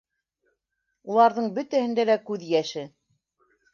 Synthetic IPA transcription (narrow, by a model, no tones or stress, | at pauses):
ulˠɑɾðɤɴbɵ̆t̪æhɘ̆nd̪ælækʉðjæʃɘ